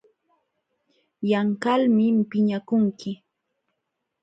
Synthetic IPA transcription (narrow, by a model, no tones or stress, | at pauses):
jaŋkalmɪmpɪɲakʊŋkɪ